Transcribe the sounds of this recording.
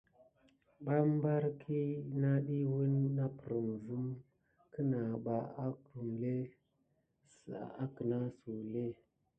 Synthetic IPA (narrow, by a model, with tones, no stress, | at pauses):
ba˦m˦ba˦ɾkʰi˦na˦ɗi˦wi˦nːa˦pə˨ɾə˨mzu˦m | kə˦na˨ɓa˨a˦ku˨mle˦ | sa˦kə˨na˦su˨le˦